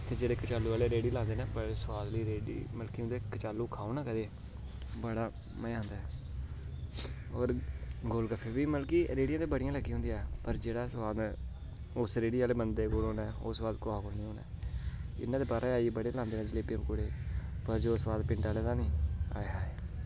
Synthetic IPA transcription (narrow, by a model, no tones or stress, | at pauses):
t̪ʰeːd͡ʒeːɽeːkt͡ʃaːlːuːaːleːɾeːɽiːlãːnd̪eːnɛːpəɾsəʋaːd̪liːɾeːɖḭːməlkiːɦʊ̃nd̪eːkt͡ʃaːlːuːkʰaːoːnaːkəd̪eː | bəɽaː | məɦʊnd̪aː | oːɾɡoːlɡəfʰeːʋiːməlkiːɾeːɽijãːt̪eːbəɽijãləɡiːɦʊ̃nd̪jãːpəɾd͡ʒeːɽaːsʋaːd̪ː | ʊsɾeːɽiːaːleːbənd̪eːɡoːloːnɛːoːsbaːd̪koaːkolniːõːnɛ̰ːɪ̰nːãːd̪eːbaːɾaːaːibəɽelãːnd̪eːnɛ̃ːd͡ʒɪleːpɪəmkʊːɽeːpəɾd͡ʒoːsʋaːd̪pɪɳʈaːleːt̪aːnĩːa̰ːeɦaːeː